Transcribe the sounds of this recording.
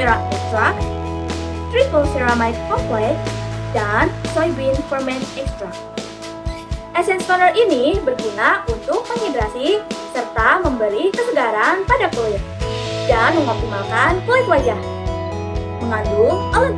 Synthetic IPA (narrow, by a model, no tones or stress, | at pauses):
ɾaɛkst̪ɾak̚ | t̪ɾipəlsɛɾamajt̪̚kɔmplɛk̚dansɔjbinfərmɛnɛkst̪ɾak̚ | ʔɛsɛnst̪ɔɾərinibərɡinaunt̪ʊk̚məŋhedɾasisərt̪aməmbəɾikəsəɡaɾanpadakolɛt̪̚danməŋɔk̚t̪imalkankoɪk̪wad͡ʒah | məŋadualən